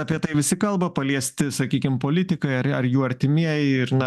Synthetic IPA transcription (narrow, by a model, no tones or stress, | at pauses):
ɑpʲiɛt̪ɐɪʋʲɪsʲɪkɐlˠbɐpɐlʲiɛsʲt̪ʲɪsɐkʲiːkʲɪmpoːlʲɪt̪ʲɪkɐɪɐɐɾjuːɐɾʲt̪ʲɪmʲiɛjɛɪɾnɐ